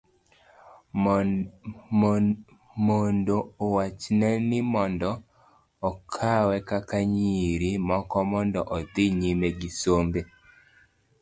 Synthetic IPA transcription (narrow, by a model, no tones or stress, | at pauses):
mondoːwat͡ʃnɛnɪmɔndɔ | ɔkʰawɛkakaɲiɾimɔkɔmɔndɔʔɔd̪iɲimeɡisombe